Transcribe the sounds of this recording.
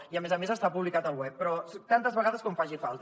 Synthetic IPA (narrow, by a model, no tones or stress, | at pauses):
iəmezəmezəst̪apuβlikat̪əlˠwɛpːɾɔt̪ant̪əzβəɣaðəskɔɱfaʒifalˠt̪